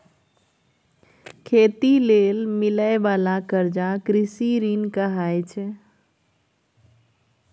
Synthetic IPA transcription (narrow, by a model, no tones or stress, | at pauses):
kʰeːt̪ileːlmɪləeʋaːlakəɾd͡ʒakɾɪsiɾinkəɦaːjt͡ʃʰɛ